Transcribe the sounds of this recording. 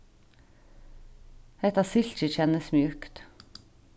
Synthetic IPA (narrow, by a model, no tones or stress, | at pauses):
ɛt̪ɑːsɪʎt͡ʃəçɛnəsmjʉːkt̪